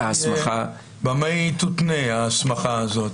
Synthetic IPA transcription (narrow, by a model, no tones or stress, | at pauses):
aasmaχa | bamejt̪ut̪neaːsmaχaazot̪